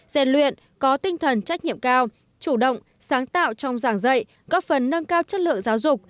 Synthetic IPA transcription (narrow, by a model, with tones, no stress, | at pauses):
zɛ̰˧˩nlwḭ˧˨ən | kɔ˨˦t̪ï˧ŋ̟t̪ʰə˨˩nt͡ɕa˦˥k̚ɲḭ˧˨əmkaː˧w | t͡ɕu˧˩ɗə̰˧˨wŋ͡m | saː˨˦ŋt̪a̰ː˧˨wt͡ɕɔ˧wŋ͡mzaː˧˩ŋzə̰˧˨j | ɣɔ˦˥p̚fə˨˩nːə˧ŋkaː˧wt͡ɕə˦˥t̚lɨ̰˧˨əŋzaː˨˦wzʊ˨˩k͡p̚